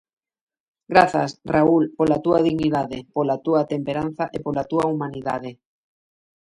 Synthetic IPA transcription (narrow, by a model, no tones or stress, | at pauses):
ɡɾaθasraulpolat̪uað̞iɣniðaðepolat̪uat̪empeɾan̟θaʔepolat̪uaumãniðað̞e